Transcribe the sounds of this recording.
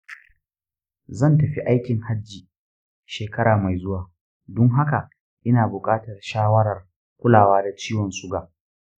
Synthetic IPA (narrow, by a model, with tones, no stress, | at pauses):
zɐ˦˨ntɐ˨ɸi˦ʔa˦jkʲɪ˨ŋha˦d͡ʒːiː˨ | ʃeː˨kɐ˦ɾaː˨ma˨jzʊ˦waː˨ | dʊ˦ŋɦa˦ka˨ʔ | ʔɪ˦naː˨bʊ˨kʼaː˦tɐ˨rʃaː˦wɐ˦ɽɐ˨r | kʷʊ˦laː˨waː˦da˨t͡ʃiː˦wɔ˨nsʊ˦ɡaː˨